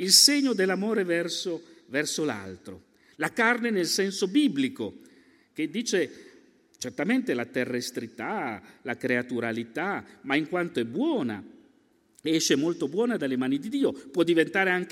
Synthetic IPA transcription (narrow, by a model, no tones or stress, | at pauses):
ilseɲːod̪elːamoːɾevɛrsovɛrsola̰lt̪ɾo̰ | lakarnenelsɛnsobibliko | k̟ed̪ːiːt͡ʃe | t͡ʃert̪ament̪elat̪erːest̪ɾit̪alakɾeat̪uɾalit̪amaiŋkwant̪oɛbːwɔːna̰ | ɛʃːemolt̪obwɔːnad̪alːemaːnid̪id̪iːopwɔd̪ːivent̪aːɾeaŋk